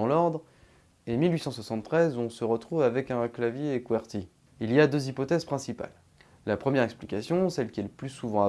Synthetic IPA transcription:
ɑ̃lɔʁd̪ʁ | emilɥisɑ̃swasɑ̃t̪t̪ːχɛzɔ̃səʁət̪χuvavɛkɛ̃klavjekuɛʁt̪i | iliad̪øzipɔt̪ɛz̥pχɛ̃sipa̰lː | apχəmjɛʁɛksplikasjɔ̃sɛlkʲiɛləplysuvɑ̃a

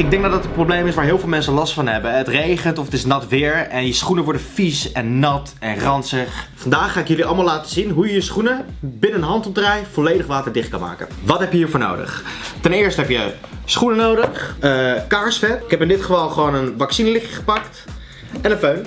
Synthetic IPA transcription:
ɪɡ̚dɛŋɡ̚dɑdɑtənprowblejmɪsʋaːɹɦɪːlˠvɪlˠmɛnsəlɑstfɑnɦɛbəətrejχəntɔfətɪsnɑtʋɪːɹɛnjəsχunəʋɔɹdəfisɛnːɑt | ɛnχrɑnsəχfɑndaːχːaːɪkjɵliɑlˠmaːlaːtəzinɦujəjəsχunəbɪnənəɦɑntɔp̚drajvɔlejdəχʋaːtəɹdɪχt̚kɑ̰nma̰ːkə̰nʋɑtɦɛpjəɦiːɹvʊːɹno̰wdə̰χtɛnɪːɹstəɦɛpjəsχunənowdəχəkaːɹsfɛtɪkɦɛpɪndɪtχəvɑlˠχəʋownənʋɑksinəlɪχjəχə̥pɑkt | ɛnənføɥn

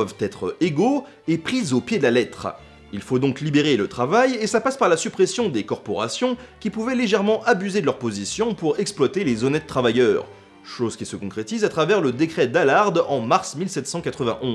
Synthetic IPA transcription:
vt̪ɛt̪χeɡo | epχizopjed̪əlalɛt̪χ | ilfod̪ɔ̃klibeʁelət̪χavajesapaspaʁlasypχesjɔ̃d̪ekɔʁpɔʁa̰sjɔ̃kʲipuvɛleʒɛʁmɑ̃ʔabyzed̪əlœʁpozisjɔ̃puʁɛksplwat̪elezɔnɛt̪̚ːχavajœːʁ | ʃozkʲisəkɔ̃kχet̪izat̪χavɛʁləd̪ekχɛd̪alaʁd̪ɑ̃maʁsmilsɛt̪sɑ̃kat̪χəvɛ̰̃ʔɔ̃

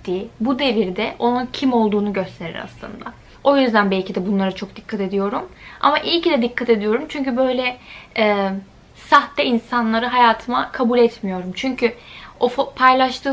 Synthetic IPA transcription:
ibud̪e̞viɾd̪ɛʔo̞nuncʰimo̞lˠd̪uːnuɟø̞st̪ʰe̞ɾḭɾa̰slˠɯ̰nd̪a | o̞jyzd̪ænbɛlʲcid̪ɛbunlˠaɾat͡ʃʰo̞k̚d̪ikʰːat̪e̞d̪ijo̞ɾuma̰maʔijcid̪ɛd̪ikʰːat̪e̞d̪ijo̞ɾumt͡ʃʰyɲcybø̞jlʲɛɛː | saxt̪ːɛinsanlˠaɾɯɦajaːt̪ʰɯmakʰabulʲɛt̪mijo̞ɾumt͡ʃʰyɲcʰyofpʰajlˠaʃt̪ʰɯː

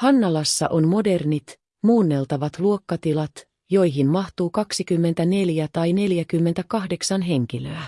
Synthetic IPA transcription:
hɑnːɑlɑsːɑ̰ʔo̞nmo̞de̞rnit̪ | muːnːe̞lt̪ɑʋɑt̪luokːɑt̪ilɑt̪ | jo̞jɦimmɑht̪uːkɑksikymːe̞nt̪æne̞ljæt̪ɑjne̞ljækymːet̪ækɑhde̞ksɑnɦe̞ŋk̟iløæ

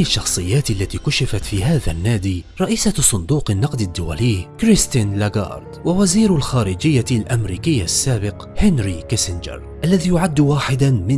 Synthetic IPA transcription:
ɪʃːɑxsˤɨjːaːt̪ʔalːat̪iːkʊʃɪfat̪fiːɦaːða̰nːaːd̪iːɾˤɑʔiːsasˤʊnd̪uːqanːɑqd̪ad̪ːʊwa̰liːkɾɪst̪ɪnlaɡɑ̰ːɾˤd̪wawaziːɾʊlxaːɾɪd͡ʒɪjːalʔamɾiːkɪjːasːaːbɪq | hɪnɾikasɪnd͡ʒɪ̰ɾ | ʔalːaðiːjʊʕad̪ːwaːħɪd̪amɪ

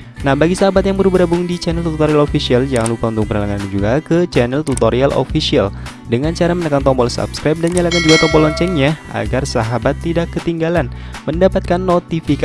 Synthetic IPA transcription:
nahbaɡisaɦabat̪̚jaŋbəɾubəɾabʊŋdit͡ʃanɛlt̪ut̪ut̪oɾialofisialjaŋlupaunt̪ʊk̚pənalaŋanɲad͡ʒuɡakət͡ʃanɛlt̪ut̪oɾialʔo̰fisial | dəŋant͡ʃaɾamənəkant̪ɔmbɔlsa̰pskɾajp̚danɲalakand͡ʒuɡat̪ɔmbɔlɔɲt͡ʃɛŋɲaa̰ɡarsaɦabat̪ːidakːət̪iŋɡalanməndapat̪̚kanːot̪ifik

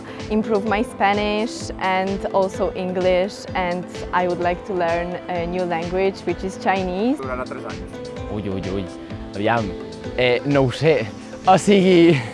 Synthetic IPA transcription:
ĩmpɾuvmajspænɪʃɛ̃ndɔlˠsowʔĩŋɡliʃ | ɛ̃ndajwud̪lajk̚t̪ʰulɛɾnənjulɛ̃ŋɡwɪd͡ʒwɪt͡ʃɪz̥t͡ʃajnizaɾðat̪ɾɛza̰ɲs | uʎuʎṵj | əβiam | ɛnõwse | ɔsiɣi

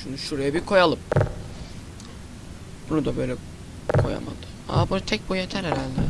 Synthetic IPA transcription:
ʃunuʃuɾajabikʰo̞jalˠɯm | b̥unud̪abø̞jlʲɛ | kʰo̞̰ja̰ma̰d̪ɯ̥ | a̰bunat̪ʰɛc̚bujet̪ʰæɾeɾalʲd̪ɛ

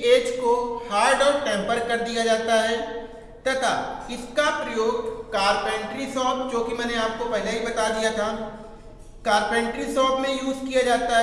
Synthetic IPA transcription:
eːd͡ʒkohaːɾɖɔːʈɛ̃ːmpəɾkɐɾd̪ijad͡ʒaːt̪aɦɛː | t̪ɐt̪ʰa̰ɪskapɾɐjoːɡkaːɾpɛ̃ːɳʈɾisɔːp̚d͡ʒoːkimɛ̃ːneaːp̚kopɛɦɪleɦibɐt̪ad̪ijat̪ʰa | kaːɾpɛ̃ːɳʈɾisɔːpmẽjuːzkijad͡ʒaːt̪aɦ

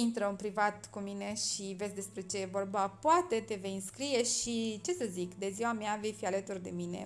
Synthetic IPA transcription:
int̪ɾəunpɾivat̪kumine̞ʃive̞sʲd̪e̞spɾe̞t͡ʃe̞vo̞rbəpoat̪e̞t̪e̞veɨnskɾije̞ʃit͡ʃe̞səzikd̪e̞ziwameave̞jfialət̪urd̪e̞̰mine̞̰

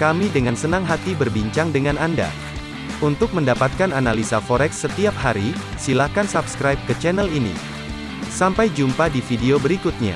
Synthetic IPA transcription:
kamidəŋansənaŋɦat̪ibərbiɲt͡ʃaŋdəŋananda̰ | unt̪ʊk̚məndapat̪̚kananalisafoɾɛksːət̪iap̚haɾi | silakansapskɾajp̚kət͡ʃɛnɛlinḭ | sampajd͡ʒumpadifideobəɾikʊt̪̚ɲa̰

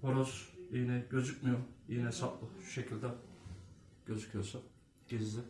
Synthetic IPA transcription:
pʰoɾoziːnɛɟø̞zycmijoijnɛesaplˠɯʃu̥ʃecʰilʲd̪ɛ | ɟ̥ø̞zycʰyjoɾsa | ɟ̥izlʲɪ

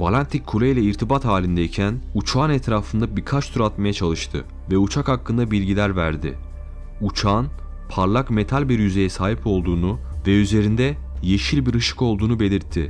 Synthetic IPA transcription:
balʲant̪ʰicʲʰːulʲejlʲɛiɾt̪ʰibat̪haːlʲind̪ɛicʰænut͡ʃʰaːnɛt̪ɾaːfɯnd̪abiɾkʰat͡ʃt̪ʰuɾat̪majat͡ʃʰalˠɯʃt̪ʰɯ̰ | vɛut͡ʃʰakhakːɯnd̪abilʲɟilʲæɾvæ̰ɾd̪ɪ̰ | ut͡ʃʰaːn | pʰaɾlˠakme̞t̪ʰalʲbiɾjyze̞jɛsaːɦipʰo̞lˠd̪uːnu | vɛyze̞ɾind̪ɛ | je̞ʃilʲbiɾɯʃɯ̥ko̞lˠd̪uːnube̞lʲiɾt̪ʰːɪ

